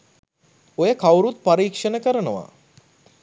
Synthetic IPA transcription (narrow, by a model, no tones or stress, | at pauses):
ojəkawɾut̪̚paɾiːkʂənəkəɾənəʋa̰